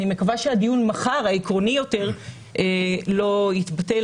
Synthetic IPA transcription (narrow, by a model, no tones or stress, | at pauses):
ime̞kavaʃead̪ijunmaχaʁaekʁo̞nijo̞te̞ʁ | elo̞it̪batel